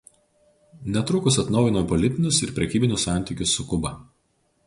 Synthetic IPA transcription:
nʲɛt̪ɾʊkʊsɐt̪nɒʊjɪnopɔlʲɪt̪ʲɪnʲʊsɪɾpʲɾʲɛkʲiːbʲɪnʲʊsːɑˑnʲt̪ʲiːˑkʲʊsːʊkʊbɐ

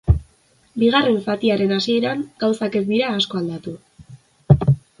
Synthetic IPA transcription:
biɣ̞are̞ɱfat̪iaɾe̞nasie̞ɾaŋɡ̥awsake̞zd̪iɾaːsko̞ald̪at̪u

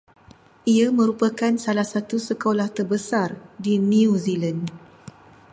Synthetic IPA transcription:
ʔiamə̃ɾupakansalahsat̪usəkolaht̪ərbəsardinĩuzilan

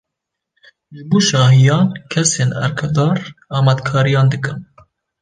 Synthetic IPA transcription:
ʒɨbuːʃɑːɦijɑːnkʰɛseːnæ̰ɾkʰɛd̪ɑːɾɑːmæd̪kʰɑːɾijɑːnd̪ɨkɨm

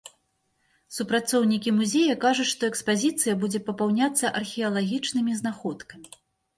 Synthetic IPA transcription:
supɾat̪sɔwnʲikʲimuzʲejɐkaʐut͡sʲʂt̪ɔɛkspazʲit̪sɨjɐbud͡zʲɛpɐpawnʲat̪sːɐʔɐrxʲiɐlˠaɣʲit͡ʂnɨmʲiznaxɔt̪kɐmʲi

